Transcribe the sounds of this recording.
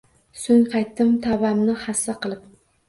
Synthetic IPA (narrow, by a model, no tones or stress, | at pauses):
sʊŋʲqʰɑjt̪ːɪmt̪ʰabamnɪhasːaqʰɨlˠɪp̚